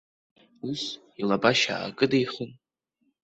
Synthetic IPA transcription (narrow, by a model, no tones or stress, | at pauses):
us | ilabaʃa̰ːkʼɨdejχun